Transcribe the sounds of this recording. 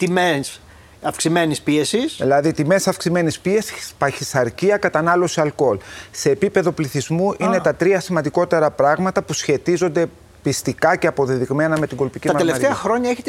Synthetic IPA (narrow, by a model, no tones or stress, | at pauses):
t̪imes | ɐfksime̞nispie̞sisðilɐðit̪ime̞sɐfksime̞nispie̞si̥spɐçisɐɾciɐkɐt̪ɐnɐlo̞siɐlko̞lse̞ːpipe̞ðo̞pliθizmuʔine̞t̪ɐt̪ɾiɐsimɐnd̪iko̞t̪e̞ɾɐpɾɐɣmɐt̪ɐpusçe̞t̪izo̞nd̪e̞ | pist̪ikɐce̞ɐpo̞ðiðiɣme̞nɐme̞t̪iŋɡo̞lpicit̪ɐmɐeleɐft̪t̪eɐxɾo̞ɲɐeçet̪